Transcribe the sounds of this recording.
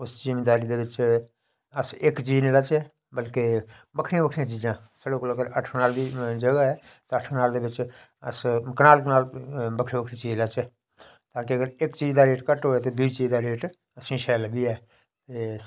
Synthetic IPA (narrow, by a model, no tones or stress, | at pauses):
ʊszɪmeːd̪aːɾiːd̪eːʋɪt͡ʃ | əsɪkt͡ʃiːd͡ʒnĩːlət͡ʃeː | bəlkeː | bəkʰɾɪjãbəkʰɾɪjãːt͡ʃiːd͡ʒãː | səɽeːkoːləɡəɾəʈʰkənaːld̪iːd͡ʒəɡaːɛː | t̪eəʈʰknaːld̪eːbɪt͡ʃ | ə̰skənaːlknaːlbəkʰɾĩːbəkʰɾĩːt͡ʃiːd͡ʒlət͡ʃeː | t̪aːkiəɡəɾɪkt͡ʃiːd͡ʒd̪aːɾeːʈkəʈɦoːɛːt̪eːd̪uiːt͡ʃiːd̪aːɾeːʈ | əsĩːʃɛːlːbʱiːɛː | t̪eː